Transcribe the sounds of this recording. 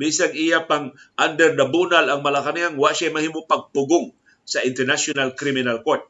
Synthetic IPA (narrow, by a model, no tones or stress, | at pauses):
bisaŋʔijapaŋʔand̪ɛɾd̪abunalɐŋmɐlakaniaŋwaʔʃajmɐhiːmopɐɡ̚pʊɡʊŋ | sɐʔɪnt̪ɛɹnasʊnalkɾimɪnalkoɹt̪̚